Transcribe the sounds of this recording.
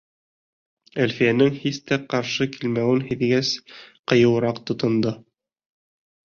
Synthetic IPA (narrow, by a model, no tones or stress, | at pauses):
ælfijænɘŋhist̪æqɑɾʃɤkilmæwɘnhiðɡæsqɤ̆jɤ̆wɤ̆ɾɑqt̪ŏt̪ŏnd̪ɤ